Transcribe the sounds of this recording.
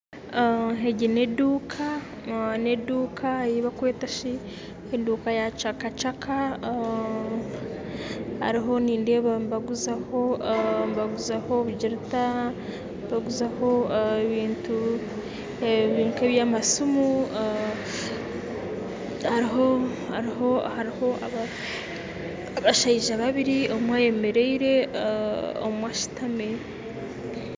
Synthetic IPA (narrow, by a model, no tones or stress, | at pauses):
ɦeɟineduːkʰa | neduːkʰajiβakwe̞ːtaʃi | heduːkajat͡ʃakat͡ʃakʰa | ha̰ɾiɦo̞niːndeβabaɡuzaho̞baɡuzaho̞βuɟiɾita | baɡuzaho̞eβiːntu | eβiːŋkeβjamasumu | haɾiɦo | haɾiɦo̞haɾiho̞aβa | βaʃaiʒaβaβiɾiomwaje̞meɾeiɾe̞ | o̰mwaʃi̥tame